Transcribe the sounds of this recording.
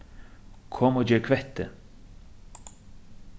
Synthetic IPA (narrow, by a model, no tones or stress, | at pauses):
kʰɔmoːd͡ʒøːɾkʰʋɛt̪ə